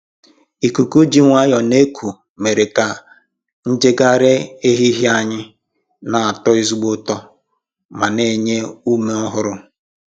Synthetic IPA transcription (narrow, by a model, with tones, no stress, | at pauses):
i˨ku˨ku˦d͡ʒi˦ŋʷa˦jɔ˨ne˦kʰu˨ | me˨ɾe˨ka˨ | n̩˦d͡ʒe˦ɡa˦ɾe˦e˦ɦi˦ɦi˦a˦ɲɪ˦ | na˨a˨tɔ˦i˦zu˦ɡ͡bo˦tɔ˦ | ma˨ne˦˨ɲe˦u˦me˦ɔ˦ɦʊ˦ɾʊ˦